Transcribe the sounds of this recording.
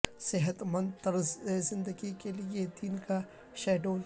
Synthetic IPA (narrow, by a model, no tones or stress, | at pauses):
sɪɦət̪mə̃nd̪t̪əɾzezɪ̃nd̪əɡikelied̪iːnka | ʃɛːɖoːl